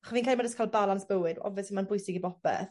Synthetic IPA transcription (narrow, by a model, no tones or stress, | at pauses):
aχɔsviːnkʰaːlˠmadəskʰaːlˠbalansb̥əwɨdɔ̰vɛsimanbʊjsɪɡibɔpɛ̰θ